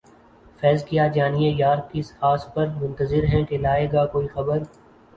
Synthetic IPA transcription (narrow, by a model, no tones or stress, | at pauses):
fɛːzkijaːd͡ʒaːniejaːɾkɪsaːspɐɾmʊ̃nt̪əzɪɾɦɛ̃ʈelaːeːɡaːkoːixɐbəɾ